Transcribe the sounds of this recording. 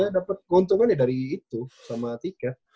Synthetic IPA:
dapət̪̚kɔnt̪uŋanadaɾiːt̪usamat̪ika

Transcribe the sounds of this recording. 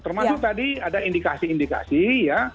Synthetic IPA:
t̪ərmasʊk̚t̪adiadaindikasiːndika̰sija

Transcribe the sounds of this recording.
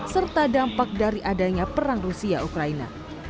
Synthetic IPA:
sərt̪adampak̚daɾiʔadaɲapəɾaŋrusiaʔukɾaina̰

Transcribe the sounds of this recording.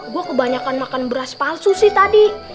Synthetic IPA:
ɡuakəbaɲakanmakanbəɾaspalsusɪht̪adi

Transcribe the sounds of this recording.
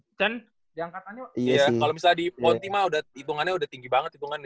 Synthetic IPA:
t͡ʃan | diaŋkat̪aɲajakalomisaldipɔnt̪imaudahit̪uŋanɲaudaht̪iŋɡibaŋət̪it̪uŋan

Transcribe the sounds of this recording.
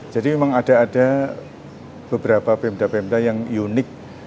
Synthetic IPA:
d͡ʒadimemaŋad̥aːda | b̥əbəɾapapemt̪apemt̪ajaŋjunɪk̚

